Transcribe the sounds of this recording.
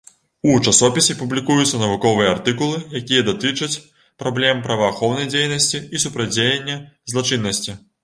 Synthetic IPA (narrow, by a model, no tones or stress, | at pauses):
ut͡ʂasɔpʲisʲipublʲikujut̪sːɐnɐvukɔvɨjɐart̪ɨkulˠɨjakʲijɐd̪at̪ɨt͡ʂɐt͡sʲ | pɾablʲɛmpɾɐvɐːxɔwnɐjd͡zʲejnɐsʲt͡sʲiːsupɾad͡zʲejenʲːɐzlˠat͡ʂɨnːɐsʲt͡sʲi